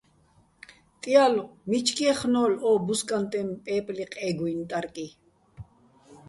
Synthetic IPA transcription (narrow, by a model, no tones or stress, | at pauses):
t̪ʼijalomit͡ʃkieχnoːlobʊskʼant̪ʼempʼeːpʼliqʼeɡujnt̪ʼaɾkʼi